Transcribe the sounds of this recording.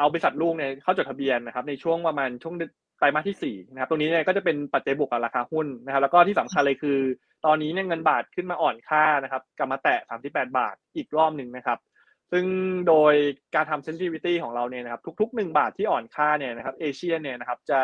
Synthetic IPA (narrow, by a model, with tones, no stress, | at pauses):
ʔa˧wbɔ˧i˧sa˨˩t̪̚luː˥˩k̚ni˥˩ɐkʰa˥˩wt͡ɕo˨˩t̪ʰa˧bi˧ənːa˦˥kʰa˦˥p̚na˧jt͡ɕʰu˥˩əŋpɾa˧maː˧nt͡ɕʰu˥˩əŋde˧˥ | t̪a˧jmaː˥˩t̪ʰiː˥˩siː˨˩na˦kʰa˦˥t̪o˧niː˦˥ni˥˩kɔː˥˩t͡ɕa˨˩pe˧npa˨˩t͡ɕa˧jbu˨˩ək̚a˩ɾaː˧kʰaː˧hu˥˩nna˧˥kʰa˦p̚lːkɔː˥t̪ʰiː˥˩a˩˦mkʰa˧lɤː˧jkʰɯː˧ | t̪ɔː˧nːiː˦˥ni˥˩ɐŋɤ˧nbaː˨˩t̪̚kʰɯ˥˩nmaː˧ʔɔː˨˩nkʰaː˥˩na˦˥kʰa˦˥p̚kla˨˩p̚maː˧t̪ɛ˨˩saː˩˦msi˨˩pːɛː˨˩t̪̚ba̰ː˨˩t̪̚ʔiː˨˩k̚ɾɔː˥˩mnɯ˨˧ŋna˦˥kʰa˦˥p̚ | sɯ˥˩ŋdoː˧jkaː˧nt̪ʰa˧mse˦˥nsiː˥wi˦˥t̪iː˥˩kʰɔː˩˦ŋɾa˧wni˥˩na˦˥kʰa˦˥pt̪ʰu˦˥k̚t̪ʰu˦˥k̚nɯ˨˩ŋbaː˨˩t̪ʰːiː˥˩ʔɔː˨˩nkʰaː˥˩ni˥˩ɐna˦˥kʰa˦˥p̚ʔeː˧t͡ɕʰi˥˩əni˥˩ɐna˦˥kʰa˦˥p̚t͡ɕa˨˩